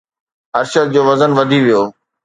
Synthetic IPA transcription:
ɐɾʃəd̪̚d͡ʑoːʋɐzənʋɐd̪ʱiʋijoː

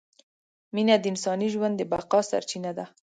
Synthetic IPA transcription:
minad̪əɪnsɑniʒwand̪ːəbaqɑsa̰ɾt͡ʃinad̪a

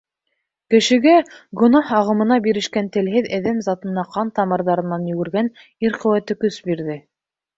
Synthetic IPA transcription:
kɘ̆ʃɘ̆ɡæɡɵ̆nɑhɑʁɤ̆mɤ̆nɑbiɾɘ̆ʃkænt̪ɘ̆lɦɘðæðæmzɑt̪ɤ̆nːɑqʰɑnt̪ɑmɤ̆ɾðɑɾɤ̆nːɑnjɵ̆ɡɘ̆ɾɡæn | iɾqɵ̆wæt̪ɘkɵsbiɾðɘ

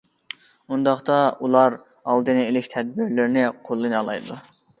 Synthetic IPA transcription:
und̪ɑχt̪ɑulˠɑɾ | ɑlˠd̪ɨnɨelɪkʲt̪ʰɛd̪̚bɪɾlɪɾnɪqʰolˠːɨnɑlˠɑ̰jd̪u

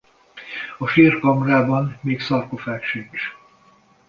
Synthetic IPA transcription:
ɒʃiːrkɒmraːbɒnmeːksɒrkofaːkʃynt͡ʃ

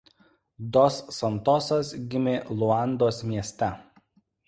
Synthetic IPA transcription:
d̪ɔsːɐnt̪ɔsɐsɡʲɪmʲeːlˠʊɑˑnd̪oːsmʲiɛsʲt̪ʲɛ

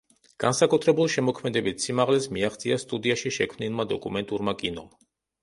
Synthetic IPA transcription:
ɡ̥ansakʼut̪ʰɾɛbulˠʃɛmɔkʰmɛd̪ɛbit̪ʰsimaʁlɛsmiaχt̪sʰʼiast̪ʼud̪iaʃiʃɛkʰmnilˠmad̪ɔkʼumɛnt̪ʼuɾmakʼinɔ̰m

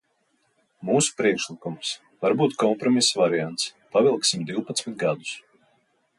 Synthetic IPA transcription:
muːsu̥pɾiɛkʃlˠikums | vaɾbuːt̪kɔmpɾɔmisvaɾiant̪spavilˠksimd̪iwpat̪smit̪̚ɡad̪u̥s

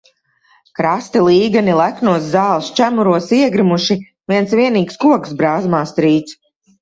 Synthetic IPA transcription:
kɾast̪ilˠiːɡanilˠæknuɔszaːlˠst͡ʃæmuɾuɔsiɛɡɾimuʃi | viɛnsviɛniːkskuɔksbɾaːzmaːst̪ɾiːt̪s

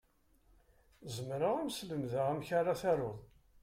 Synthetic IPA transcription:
zəmɾaʁæmsləmðaʁæmçaɾˤaθæɾˤoðˤ

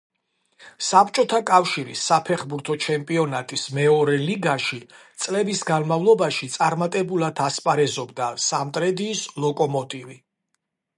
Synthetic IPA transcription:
sapʰt͡ʃʼɔt̪ʰakʼafʃiɾḭsːapʰɛχbuɾt̪ʰɔt͡ʃʰɛmpʼiɔnat̪ʼismɛɔɾɛliɡaʃit̪sʼlɛbisɡanmavlˠɔbaʃit̪sʼaɾmat̪ʼɛbulˠad̪ʰaspʼaɾɛzɔbd̪asamt̪ʼɾɛd̪iːslˠɔkʼɔmɔt̪ʼivi

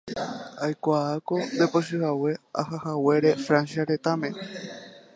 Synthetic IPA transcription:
ajkʷaako̞d̪e̞poʃ̬ɨhawe̞a̰ɦahawe̞ɾefɾansjaɾe̞t̪amẽ̞

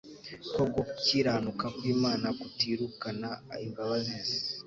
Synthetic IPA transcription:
koɡociːɾanukakwiːmaːnakutiːɾukanaimɡaβazeːnze̥

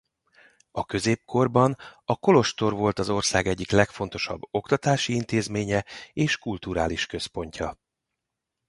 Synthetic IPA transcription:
ɒkø̞zeːp̚kʰo̞rbɒnɒko̞lo̞ʃt̪o̞rvo̞lt̪ɒzo̞rsaːɡɛɟːiklɛkfo̞nt̪o̞ʃɒ̰bːo̞kt̪ɒt̪aːʃiint̪eːzmeːɲɛeːʃkult̪uɾa̰ːliʃkø̞spo̞ɲcʰɒ

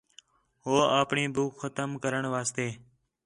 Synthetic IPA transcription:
ɦoːaːpɳiːbʱuːkxət̪əmkəɾəɳʋaːst̪eː

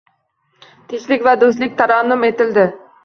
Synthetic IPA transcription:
t̪ʰɪʃlɪkʲvɛd̪ost̪lɪk̚ʲt̪ʰɑɾɑːnːʊmet̪ɪld̪ɪ

